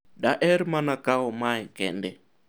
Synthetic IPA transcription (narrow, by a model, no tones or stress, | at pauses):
daʔɛɾimanakaɔmaɛkɛ̰ndɛ